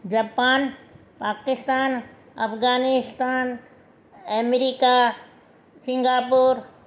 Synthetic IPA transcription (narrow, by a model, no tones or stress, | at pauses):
d͡ʒaːpaːn | paːkɪst̪aːn | ɐ̰pʰɡaːnɪst̪aːn | ɛmɾika | sɪ̃ŋɡaːpuːɾ